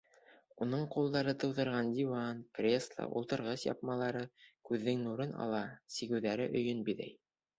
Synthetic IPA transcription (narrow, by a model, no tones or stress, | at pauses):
unɤɴqulˠd̪ɑɾɤt̪ɤ̆wðɤ̆ɾʁɑnd̪ʲiwɑnkrʲeslˠə̰ʔṵlˠt̪ɤ̆ɾʁɤsjɑ̰p̚mɑlˠɑɾɤkʉðːɘŋnuɾɤnɑ̰lˠɑsiɡɘ̆wðæɾɘʔɵ̆jɵnbiðæ̰j